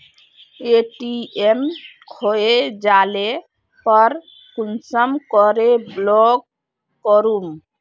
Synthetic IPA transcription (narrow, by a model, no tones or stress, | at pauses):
eʈiemkʰoed͡ʒale | pɔɾ | kunsɔmkɔɾeblɔɡː | ɔɾum